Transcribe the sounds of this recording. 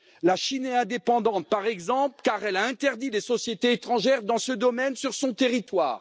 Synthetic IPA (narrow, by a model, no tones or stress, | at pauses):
laʃinɛɛ̃d̪epɑ̃d̪ɑ̃t̪̚paʁɛɡzɑ̃plkaʁɛlaɛ̃t̪ɛʁd̪idesɔsjet̪eːt̪χɑ̃ʒɛʁd̪ɑ̃səd̪ɔmɛnsyʁsɔ̃t̪eʁit̪wa̰ːʁ